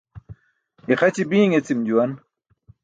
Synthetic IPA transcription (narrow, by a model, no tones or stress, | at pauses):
iχɐt͡ɕibiːŋet͡simd͡ʑuwɐn